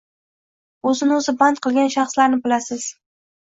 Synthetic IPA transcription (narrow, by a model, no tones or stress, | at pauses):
ɵzɪnɵzɪbant̪̚qʰɨlˠɡʲanʃɑχslaɾnɪbɪlasɪz̥